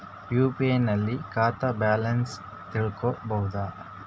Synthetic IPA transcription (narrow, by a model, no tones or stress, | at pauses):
juːpienɐlːikaːt̪ɐbaːlɐns | t̪iɭkobɐɦud̪aː